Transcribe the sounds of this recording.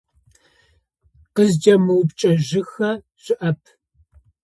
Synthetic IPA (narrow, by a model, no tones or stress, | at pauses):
qəzd͡ʒɐmɨwpt͡ʃʼɐʒɪxɐ | ʒ̥ɪʔɐpʰ